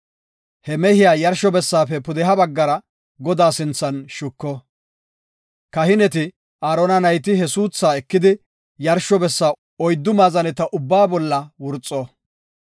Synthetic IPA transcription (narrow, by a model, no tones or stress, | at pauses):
hɛmɛhɪjaːjɐɾʃɔbɛsːaːfɛpʊd̪ɛɦɐbɐɡːɐɾɐ | ɡɔd̪aːsɪnt͡sːɐnʃʊkːɔ | kɐhɪnɛt̪ɪ | aːɾɔnɐnɐjt̪̬ɪɦɛsuːt͡sːaːɛkːɪd̪ɪ | jɐɾʃɔbɛsːaː | ɔjd̪ːʊmaːzɐnɛt̪ɐʔʊbːaːbɔlːɐwʊɾt͡sʼːɔ